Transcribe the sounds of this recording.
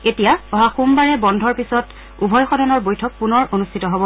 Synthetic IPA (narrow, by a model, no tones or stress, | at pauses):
etijaɔɦaxumbaɹɛbɔndʱɔɹpisɔt | ubʱɔjxɔdɔnɔɹbojtʰɔk̚punɔɹʔonustʰitɔɦobɔ